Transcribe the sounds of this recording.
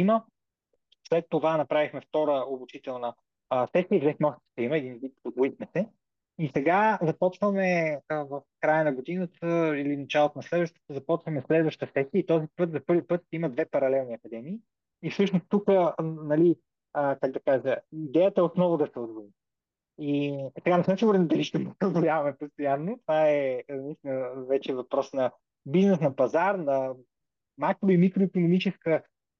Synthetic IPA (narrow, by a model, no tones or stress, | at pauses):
imə | slɛt̪ːovanɐpɾavixmɛft̪ɔɾəobut͡ʃit̪ɛlˠnə | sɛsiəivzɛxmɛɔʃt̪imɐɛd̪invit̪od̪vuixmɛsɛ | isɛɡazɐpɔt͡ʃvəmɛəvəfkɾajənɐɡod̪inət̪ʰəilinɐt͡ʃalˠot̪onɐslɛd̪vəʃt̪ə̥t̪əzɐpɔt͡ʃvəmɛslɛd̪vəʃt̪əsɛsiəit̪ɔzipɤt̪zɐpɤɾvipɤt̪ʃt̪iməd̪vɛpɐɾɐlɛlˠniɐkɐd̪ɛmiː | fsɤʃnost̪ukənɐli | əkaɡ̚d̪ɐkaʒəid̪ɛjət̪əɛot̪nɔvʊd̪ɐsɛod̪voi | isɛɡanɛsamsiɡʊɾɛt̪nd̪ɐliʃt̪ɛposɛod̪vojavɐmɛpost̪ojanːot̪ovaɛnɐist̪ʲinəvɛt͡ʃɛvɐpɾɔsnɐ | biznɛsnɐpɐzaɾnɐ | makɾoimikɾoikʊnomit͡ʃɛskə